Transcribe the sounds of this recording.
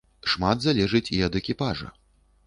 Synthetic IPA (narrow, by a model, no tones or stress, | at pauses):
ʂmad̪zalʲɛʐɨt͡sʲiɐd̪ɛkʲipaʐɐ̰